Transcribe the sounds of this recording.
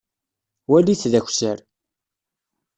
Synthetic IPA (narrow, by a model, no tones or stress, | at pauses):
wæliθðæçʷsəɾ